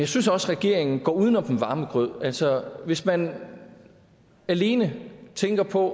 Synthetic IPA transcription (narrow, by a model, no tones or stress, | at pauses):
jɑ̈ɪsynsɒ̽sʁɛɡ̥e̝ɐ̰e̝ŋn̩ɡ̥ɒ̰ːuð̞ˠnɒ̽md̥en̩ʋɑ̈ːməɡ̥ʁœð̰ˠælsɒʋe̝smæn | æle̝ːnət͡sʰeŋɡ̥ɐpʰɒ̽